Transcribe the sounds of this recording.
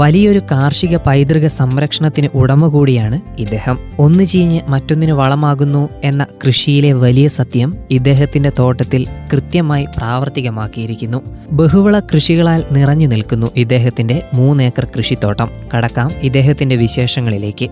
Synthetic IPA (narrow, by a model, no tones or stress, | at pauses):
ʋɐlijɐo̞ɾukaːrʂiɣɐpɐjd̪rɨɣɐsɐmɾɐkʂɐɳɐt̪ːinɨʔuɽɐmːukuːɽijaːɳɨid̪ːe̞ːhɐmo̞nːɨt͡ɕejiɲːɨmɐtːo̞nːinɨʋɐɭɐmaːɣunːue̞nːɐkrɨʂijile̞ʋɐlijɐsɐd̪jɐmid̪ːe̞ːɦɐt̪ːinde̞t̪o̞ːʈːɐt̪ːilkrɨt̪jɐmaːjipraːʋɐrt̪iɣɐmaːkːijiɾikʲːunːube̞ɦuʋɐɭɐkrɨʂiɣɐɭaːlnirɐɲːunilkunːuʔid̪ːe̞ːɦɐt̪ːinde̞muːne̞ːkːɐrkrɨʂit̪ːo̞ːʈːɐmkɐɽɐkːaːmid̪ːe̞ːɦɐt̪ːinde̞ʋiɕe̞ːʂɐŋːɐɭile̞̰ːkʲːɨ